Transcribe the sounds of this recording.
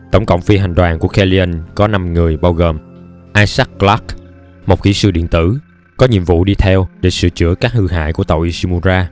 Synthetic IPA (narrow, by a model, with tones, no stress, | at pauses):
t̪ə˧˩wŋ͡mkə̰˧˨wŋ͡mfi˧ɦa˨˩jŋ̟ɗwaː˨˩nku˧˩əxɛ˧li˧ə˧nkɔ˨˦na˧mŋɨ˨˩əjɓaː˧wɣoː˨˩m | ʔaː˧sa˦˥k̚kla˦˥k̚ | mo˨˩k͡p̚kḭ˧˩˥sɨ̰˧ɗḭ˧˨ənt̪ɨ̰˧˩ | kɔ˨˦ɲḭ˧˨əmvṵ˧˨ɗi˧t̪ʰɛ˧wɗe˧˩˦sɨ̰˧˨t͡ɕɨ̰˧˥əkaː˦˥k̚hɨ˧ɦa̰ː˧˨jku˧˩ət̪ə̰˨˩wʔi˧si˧mu˧zaː˧